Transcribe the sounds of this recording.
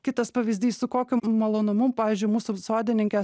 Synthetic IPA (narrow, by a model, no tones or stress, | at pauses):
kʲɪt̪ɐspɐʋʲizʲd̪ʲiːssʊkoːkʲʊmɐlˠoːnʊmʊmpɑːʋʲiːzʲd͡ʒʲʊɪmuːsʊsoːd̪ʲɪnʲɪŋʲkʲɛ